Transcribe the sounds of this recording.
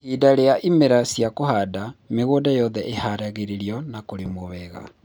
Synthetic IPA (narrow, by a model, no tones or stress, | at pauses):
hidaɾeaʔimeɾasjakohadameɣoːdajɔðɛʔehaɾaɣeɾeɾiɔnakoɾemoβɛɣa̰